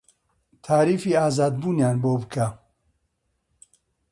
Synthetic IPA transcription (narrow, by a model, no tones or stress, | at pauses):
t̪ʰaːɾiːfiːaːzaːd̪buːnjaːnboːbɨkʰa